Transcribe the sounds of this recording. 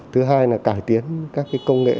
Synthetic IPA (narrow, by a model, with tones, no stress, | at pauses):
t̪ʰɨ˨˦ɦaː˧jlaː˨˩kaː˧˩jt̪i˨˦ənkaː˦˥k̚kaː˨˦jkə˧wŋ͡mŋḛ˧˨